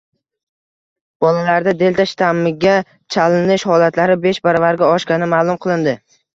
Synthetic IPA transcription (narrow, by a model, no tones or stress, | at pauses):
b̥ɒlalaɾd̪ad̪e̞lt̪ʰaʃɪ̥t̪ʰamːɪɡʲa | t͡ʃʰalɪnɪʃhɒlat̪ʰlaɾɪbe̞ʃbaɾɒvaɾɡʲaɒʃkʲanɪmaːlˠʊmqʰɨlˠɪnd̪ɪ